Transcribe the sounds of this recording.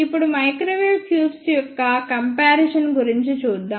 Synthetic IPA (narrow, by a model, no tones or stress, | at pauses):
ipːuɽumɐjkɾoːʋilt̪ʰjuːpsjɔkːɐkɐmpaːɾeʃɐnɡuɾiɲt͡ʃit͡ʃuːd̪ːaː